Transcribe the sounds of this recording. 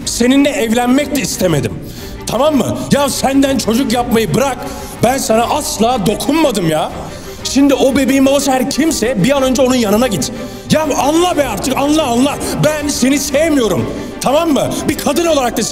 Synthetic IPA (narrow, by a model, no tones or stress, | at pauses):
se̞ninlɛʔɛvlʲænmɛc̚lɛist̪ʰemed̪ḭm | t̪ʰamamːɯ̰jasænd̪ænt͡ʃʰo̞d͡ʒukjap̚majɯbɯɾak | bænsanaʔaslˠaːd̪o̞kʰunmad̪ɯmjaː | ʃimd̪io̞be̞bejimabasɦæɾcʰimsɛbijanø̞nd͡ʒɛo̞nunjanɯnaɟit̪ | jaanlˠabɛaɾt̪ʰɯkanlˠaːnlˠabænse̞nisevmijo̞ɾum | t̪ʰamamːɯbikʰad̪ɯnolˠaɾak̚t̪as